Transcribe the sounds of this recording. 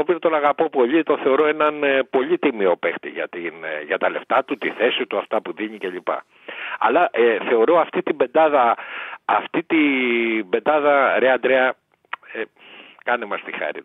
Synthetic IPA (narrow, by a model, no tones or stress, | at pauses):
opiot̪o̞nɐɣɐpo̞po̞ʎit̪o̞θe̞o̞ɾo̞e̞nɐnpo̞ʎit̪imio̞pext̪ḭʝɐ̰t̪inʝɐt̪ɐle̞ft̪ɐt̪ut̪iθe̞sit̪uɐft̪ɐpuðiɲice̞ʎipɐ̰ | ɐ̰lɐʔθe̞o̞ɾo̞ɐft̪it̪imbe̞nd̪ɐðɐː | ft̪it̪ibe̞nd̪ɐðɐɾeɐnd̪ɾeɐ | e | kɐnemɐst̪ixɐ̰ɾḭ